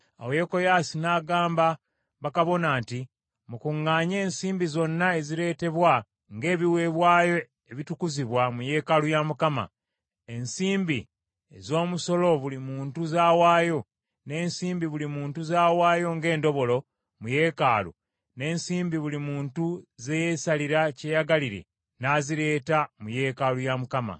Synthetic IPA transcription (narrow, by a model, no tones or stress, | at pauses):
a̰woeko̞jaːsinaːɡaːmba | βakaβo̞naːnti | mukuŋːaːɲe̞ːnsiːmbizo̞nːae̞ziɾe̞ːte̞βwa | ŋɡe̞ːβiwe̞βwaːjo̞ | eβitukuziβwamuje̞ːkalujamukama̰ | e̞nsiːmbi | ezo̞ːmuso̞lo̞βulimuːntuzaːwaːjo̞ | ne̞ːnsiːmbiβulimuːntuzaːwaːjo̞ŋɡe̞ːndo̞βo̞lo̞ | muje̞ːkaːlṵ | ne̞ːnsiːmbiβulimuːntuze̞je̞saliɾacejaɡaliɾe̞̰ | naːziɾe̞ːtamuje̞ːkalujamukama̰